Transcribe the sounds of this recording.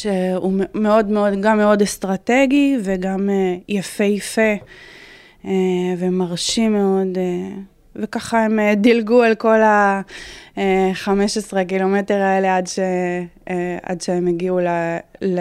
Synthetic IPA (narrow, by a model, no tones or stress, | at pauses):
ʃeume̞o̞dmeo̞dɡamːe̞o̞dest̪ʁate̞ɡiveɡamejafe̞jafe̞ | evemaʁʃime̞o̞de | vekaχaemedilɡualko̞la | eχameʃesʁek̬ilo̞meteʁaele̞adʃe | a̰dʃeemeɡiulel